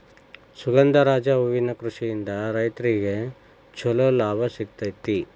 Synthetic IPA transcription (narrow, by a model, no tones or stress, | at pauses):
suɡɐnd̪ɐɾaːd͡ʒɐuʋinɐkɾuʂijind̪ɐɾɐjt̪ɾiɡe | t͡ʃʰɔlolaːbʱɐsik̚t̪ɐjt̪ːi